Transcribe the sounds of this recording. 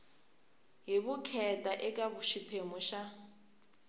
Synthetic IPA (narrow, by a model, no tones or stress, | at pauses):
ɦiβukʰɛtʼaʔɛkʼaβuʃipʰemɔʃa